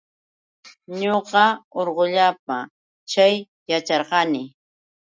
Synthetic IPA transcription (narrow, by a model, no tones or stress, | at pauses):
ɲoqɑoɾɢʊʎap̚a | t͡ʃaj | jat͡ʃɑɾqɑnɪ